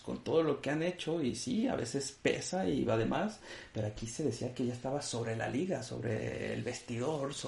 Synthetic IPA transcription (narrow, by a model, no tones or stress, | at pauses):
ko̞nt̪o̞ðolo̞ke̞ane̞t͡ʃo̞isia̰βe̞̰se̞spe̞̰saiβaðemʔaspe̞ɾoakise̞ðesiakeʝaest̪aβaso̞βɾe̞la̰liɣaso̞̰βɾḛḛlβe̞st̪iðo̞ɾs